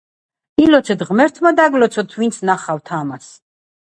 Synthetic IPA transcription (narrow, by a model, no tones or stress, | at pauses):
ilɔt̪sʰɛt̪ʁmɛɾt̪ʰmad̪aɡlɔt̪sʰɔt̪ʰvint̪sʰnaχavt̪ʰamas